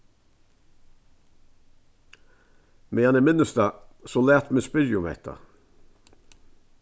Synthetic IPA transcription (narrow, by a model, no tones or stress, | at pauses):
meːjɛnəmɪnʉst̪ɑːsoːlæːt̪meːspɪɾjʊmḛt̪ʰɑ̰